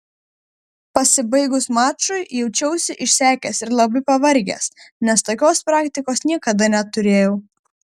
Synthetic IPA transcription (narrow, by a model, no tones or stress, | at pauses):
pɐsʲɪbɐɪɡʊsmɑːt͡ʃʊɪjɛʊt͡ʃʲɛʊsʲɪʔɪʃʲsʲæːkʲɛsɪɾlˠɐbɪpɐʋɐɾʲɡʲḛːsnʲɛst̪oːkʲoːspɾɑːkt̪ʲɪkoːsnʲiɛkɐd̪ɐnʲɛt̪ʊɾʲeːjɛʊ